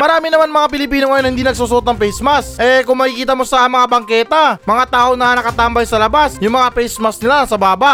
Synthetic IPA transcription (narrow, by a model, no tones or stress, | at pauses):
mɐɾaːmɪnɐmanmɐŋap̬ɪlɪpiːnoŋɐjo̞nhɪnd̪iːnɐɡ̚suːsʊʔot̪̚nɐŋpɛjsmɐsʔɛkʊŋmɐkikiːt̪ɐmo̞sɐmɐŋabɐŋkɛːt̪ɐmɐŋat̪aːʔoŋnɐnɐkɐt̪ambɐjsɐlɐbasjʊŋmɐŋapɛjsmɐsnɪlasɐbaːbaʔ